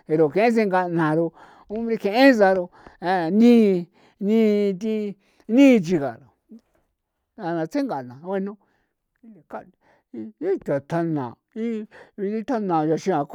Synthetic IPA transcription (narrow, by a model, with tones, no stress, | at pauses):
e˨ɾo˨kẽ˨ẽ˦s̬e˧ŋɡa˧nã˨ɾo˧ | ũ˦bɾi˧kẽ˧ʔẽ˦za˧ɾo˧a˧˨nĩ˦˧ | nĩ˧t̪̬i˧ | nĩː˦˧t͡ʃi˧ɣa̰˨ɾo˨ | a˧nã˨˧t͡se˦ŋɡa˨nã˨˧we˧nõ˦˧ | i˧la˨ka˦˧ | i˦t̪a˨t̪a˧nã̰˨ | i˦βi˧di˦t̪a˦nã˨ja˨ʃi˧ã˨k